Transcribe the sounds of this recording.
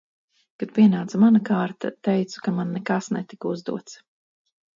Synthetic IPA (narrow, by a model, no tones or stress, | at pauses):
kad̪̚pʲiɛnaːt̪samanakaːɾt̪at̪ɛjt̪su̥kamanːɛkasnɛt̪ikuzd̪ṵɔt̪s